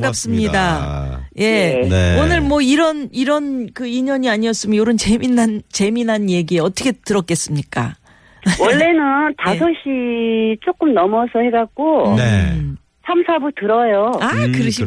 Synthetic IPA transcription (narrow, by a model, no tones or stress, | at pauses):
ŋɡap̚s͈ɯmɲida | je̞onɯɭmwʌiɾʌniɾʌnkɯiɲʌɲiaɲiʌs͈ɯmjoɾɯnt͡ɕeminɦant͡ɕe̞minɦanje̞ɡieʌt͈ʌkʰe̞tɯɾʌk͈e̞s͈ɯmɲik͈a̰ | wʌɭːe̞nɯntasʰʌɕʰit͡ɕ͈ok͈ɯmnʌmʌsʰʌheɡak͈o | sʰamsʰabutɯɾʌjoakɯɾɯɕʰi